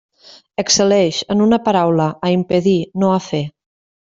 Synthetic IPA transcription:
əksəlɛʃənunəpəɾawləːimpəðinoəfe

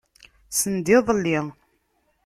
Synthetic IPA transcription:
sənd̪iðˤəlːi

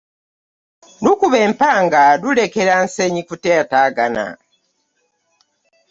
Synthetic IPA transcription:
nukuβe̞ːmpaːŋɡaɾule̞ke̞ɾanseɲikuteːtaːɡana̰

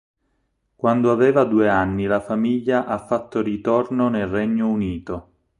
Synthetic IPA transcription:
kwand̪oavɛːvad̪uːeanːilafamiʎːaʔafːat̪ːorit̪ornonelrɛɲːouniːt̪o

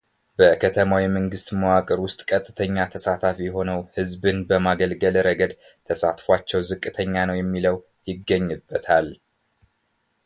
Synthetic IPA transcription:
b̥əkʰət̪ʰəmawiməŋɡɨst̪məwakʼəɾwʊst̪ʼkʼət̪ʼːɨt̪ʰəɲːat̪ʰəsat̪ʰafijɛɦo̞nəwhɨzbɨnbəmaɡəlɡəlɾəɡəd̪ | t̪ʰəsat̪fwat͡ʃːɛwzɨkʼːɨt̪ʰəɲːanəwjɛmːiləw | jɪɡːəɲːɨbːət̪ʰal

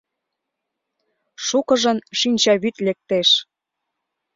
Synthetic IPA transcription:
ʃukɤ̆ʒə̆nʃinʲt͡ɕɑβyt̪lek̚t̪eʃ

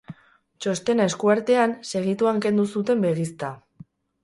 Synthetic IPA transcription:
t͡ʃo̞st̪e̞ne̞skuaɾt̪e̞anse̞ɣ̞it̪uaŋke̞nd̪usut̪e̞mbe̞ɣist̪a

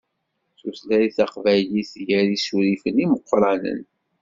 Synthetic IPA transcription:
θuθlæɾiθɑqvæjliθjæɾisuɾifəniməqʷːɾˤɑnə̰n

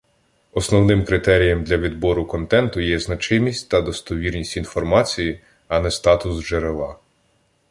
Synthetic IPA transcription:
ɔsnɔwnɪmkɾɪt̪ɛɾʲijɐmd̪lʲɐʋʲid̪bɔɾʊkɔnt̪ɛnt̪ʊjɛznɐt͡ʃɪmʲisʲtʲt̪ɐd̪ɔst̪ɔʋʲirnʲisʲtʲin̪fɔrmɑt͡sʲiji | ɐnɛst̪ɑt̪ʊsʒeɾelˠɑ

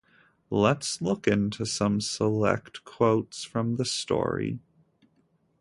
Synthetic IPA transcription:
lətslʊkɪ̃ntʰʉsʌ̃msəlɛ̰ktkʰw̥oʊtsfɹʌ̃mðɨstɔ̰ɹḭ

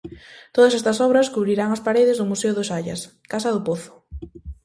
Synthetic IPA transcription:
t̪oðɐsɛst̪ɐsɔβɾɐskuβɾiɾaŋɐspaɾeðɪzðʊmuseʊðʊsaʎɐ̰s | kasɐðʊpoθʊ̥

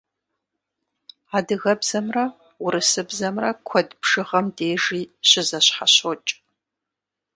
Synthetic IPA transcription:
aːdɨɣɐbzɐmrɐ | ʊɾɨsɨbzɐmrɐkʷʰɔdbʂɨʁɐmdeːʒiːɕɪzɐɕħaɕot͡ʃʼ

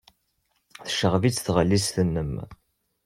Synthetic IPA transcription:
θəʃəʁvit͡sːθʁəlːisθənːəm

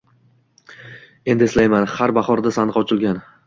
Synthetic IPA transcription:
e̞nd̪ɪeslajmanhaɾbaχɒɾd̪asanqɒt͡ʃʰɪlˠɡʲan

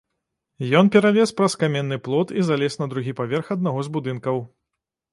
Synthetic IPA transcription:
jɔnpʲɛɾavʲɛspɾɐskamʲɛnːɨplˠɔt̪izalʲɛsnɐd̪ɾuɣʲipavʲɛrxɐd̪̚naɣɔzbud̪ɨnkɐw

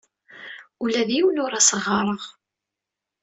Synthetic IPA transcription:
ulæðjiwnʊɾæsəʁːɑɾˤəʁ

